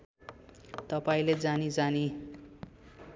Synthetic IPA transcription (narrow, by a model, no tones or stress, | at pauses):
t̪ʌpaĩled͡zanid͡zani